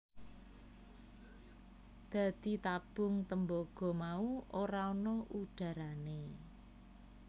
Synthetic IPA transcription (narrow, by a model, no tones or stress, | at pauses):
d̪̥ä̤d̪̥it̪ab̥ʊ̤ŋt̪əmboɡ̥ɔ̤mauʔoɾaonɔuɖ̥ä̤ɾane